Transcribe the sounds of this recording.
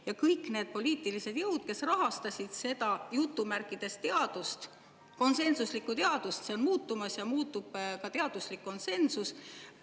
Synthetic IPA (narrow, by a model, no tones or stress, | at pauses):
jɑkɤjkˑne̞ːd̪̚po̞liːt̪ːˑilise̞d̪jɤwd̪̥̚ke̞srɑɦɑst̪ɑsʲid̪̥se̞d̪ɑjut̪ːˑumærkˑːid̪̥e̞st̪t̪e̞ɑd̪̥ust̪ | ko̞nse̞nsuslikːˑut̪e̞ɑd̪̥ust̪se̞o̞nmuːt̪ːumɑsjɑmuːt̪ːˑub̥kɑt̪e̞ɑd̪̥uslikːo̞nse̞nsus